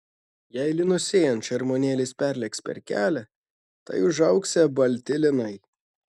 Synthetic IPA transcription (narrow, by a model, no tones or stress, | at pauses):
jæɪlʲɪnʊsʲeːjɛnt̪t͡ʃʲɐɾmoːnʲeːlʲɪsʲpʲæɾʲlʲɛkspʲɛ̰ɾʲkʲæ̰ːlʲɛ | t̪ɐ̰ɪʊʒɐʊksʲɛbɐlʲt̪ʲɪlʲɪnɐɪ